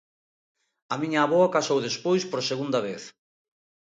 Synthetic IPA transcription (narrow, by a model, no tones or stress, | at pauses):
ɐmiɲaːβoakasowðespojspoɾseɣund̪ɐβeθ